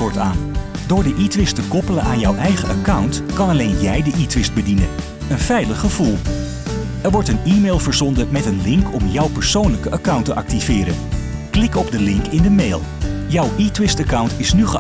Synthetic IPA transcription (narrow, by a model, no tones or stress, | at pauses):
ʊːɹtaːn | dʊːɹdəʔitʋɪstəkɔpələnʔaːnjɔwʔɛjχəʔəkʌwntkɑnɑlejnjɛjdəʔitʋɪst̚bədinən | ənfɛjləχəv̥ulˠ | ɛɹʋɔɹtəniːmejlˠvəɹzɔndəmɛtənlɪŋkʰɔmjʌwpəɹsownləkəʔakʌwntəʔɑk̚tivɪːɾə̰n | klɪkɔbdəlɪŋkɪndəmejlˠ | jʌwʔitwɪstakʌwntɪsnyχə